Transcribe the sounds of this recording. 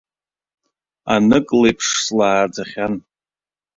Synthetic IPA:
anɨkʼlejpʰʂslaːrd͡zaχʲan

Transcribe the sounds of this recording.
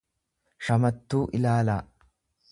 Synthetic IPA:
ʃɐmɐt̪ːuːʔɪlaːlaː

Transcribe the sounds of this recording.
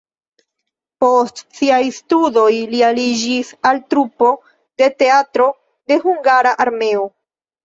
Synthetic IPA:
po̞stsiajstudo̞jlialid͡ʒisaltɾupo̞ | de̞te̞atɾo̞ | de̞huŋɡaɾaʔaɾme̞o

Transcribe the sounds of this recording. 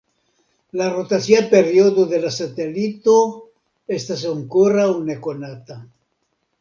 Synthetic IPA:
larot̪asiapeɾjoðoðelasat̪elit̪o | est̪aseoŋkoraunekonat̪a

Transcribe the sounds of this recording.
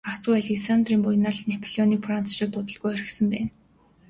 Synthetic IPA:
asʊːaɮeksant̪riːmpʊjnaɮnepʰɮiɔniːkfran̥t͡sʰʃʊːt̪ʊt̪ə̆ɮɣujœɾɪ̆sə̆mpæːn

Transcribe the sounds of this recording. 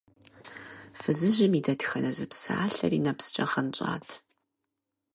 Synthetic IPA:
fɨzɨʑɪmidɐtxɐnɐzɨpsa̰ːɬɐ̰rinɐpsɨ̥t͡ʃʼɐχɐnt͡ʃʼa̰ːtʰ

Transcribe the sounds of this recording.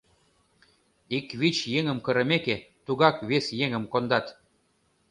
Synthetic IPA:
ikβit͡ɕjeŋə̆mkɤ̆ɾɤ̆meket̪uɣɑkβesjeŋə̆mkond̪ɑt̪

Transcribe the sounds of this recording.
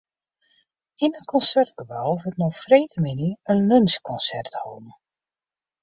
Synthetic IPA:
inət̚kʰɔnsɛrt̚ɡ̥əbawʋətnɔfreːtəminiənlønskʰɔnsɛrthɔ̰ːn̩

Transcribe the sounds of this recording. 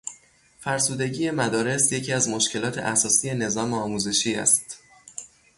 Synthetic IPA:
fæɾsuːd̪e̞ɟiːje̞mæd̪ɒːɾe̞sje̞cʰiːæzmo̞ʃcʰe̞lɒːt̪ʰe̞̰ʔæsɒːsiːje̞ne̞zɒːmeɒːmuze̞ʃiːæ̰st̪

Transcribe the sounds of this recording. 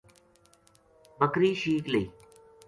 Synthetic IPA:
bəkɾiːʃiːkleiː

